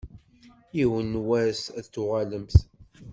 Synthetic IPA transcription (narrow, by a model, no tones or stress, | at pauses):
iwənːwæsæðt͡sːʊʁaləmθ